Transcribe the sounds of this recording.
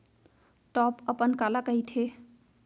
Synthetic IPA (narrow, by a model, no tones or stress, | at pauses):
ʈɔpəpənkalakəit̪ʰe